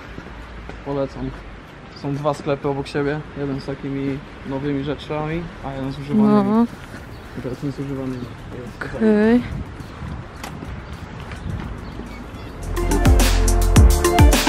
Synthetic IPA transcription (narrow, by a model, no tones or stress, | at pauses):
pɔlɛt̪sam | t̪sɔ̃w̃d̪vasklɛpɘɔbɔkɕebʲjɛjɛd̪ɛnst̪akʲimʲi | nɔvɘmʲiʐɛt͡ʂamʲiajɛd̪ɛnzuʐɨaɔ | it̪ɛɾasɲɛsuʐɨvanɨma | jɛst̪ɛj